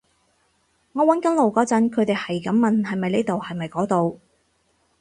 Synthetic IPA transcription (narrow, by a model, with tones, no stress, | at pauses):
ŋɔː˨˧wɐ˨˥nkɐ˨˥nlo˨wkɔː˨˥t͡sɐ˨˥nkʰɵ˨˧ɥt̪e˨jhɐ˨jkɐ˨˥mːɐ˨nhɐ˨jmɐ˨jneː˥t̪o˨whɐ˨jmɐ˨jkɔː˨˥t̪o˨w